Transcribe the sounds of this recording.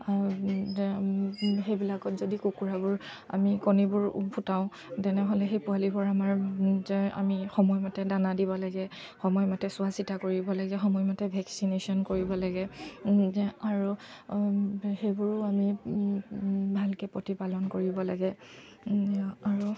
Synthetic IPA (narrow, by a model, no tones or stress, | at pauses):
a | xejbilakɔtzodikukuɹabʊɹ | a̰mikonibʊɹpʰutaʊ̃ | tɛnɛɦolɛxejpʊalibɔɹamaɹzɛa̰mixɔmɔjmatɛdanadibɔlaɡɛ | xɔmɔjmatɛsʊasitakoɹibɔlaɡɛxɔmɔjmatɛbʱɛksinesɔnkoɹibɔlaɡɛ | aɹu | xejbʊɹʊami | bʱalkɛpotipalɔnkoɹibɔlaɡɛ | aɹu